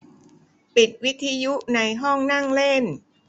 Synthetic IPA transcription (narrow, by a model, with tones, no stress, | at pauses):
pi˨˩t̪̚wi˦˥t̪ʰːiː˧ju˦˥ʔna˧jɦɔ˥˩ŋna˥˩ŋle˥˩n